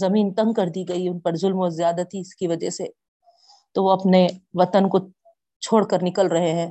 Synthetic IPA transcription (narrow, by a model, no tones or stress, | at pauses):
zɐmiːnt̪ɐ̃ŋɡ̚kɐɾd̪iɡɐiʊnpɐɾzʊlmozjaːd̪at̪ʰiɪskiʋɐd͡ʒɛɦse | t̪oʋoɐpneʋɐt̪ənko | t͡ʃʰoːɽkɐɾnɪkəlɾɐɦeɦɛ̃ː